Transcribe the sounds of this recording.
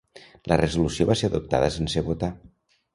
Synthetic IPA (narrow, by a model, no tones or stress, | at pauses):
lʔərəzulusioβaseaðup̚t̪a̰ðəsenseβut̪a